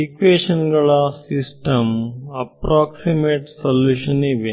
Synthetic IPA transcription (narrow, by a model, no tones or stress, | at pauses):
ikʋeːʂɐnɡɐɭɐsisʈɐmɐpɾaːksimeːʈsɐlːuːʃɐniʋe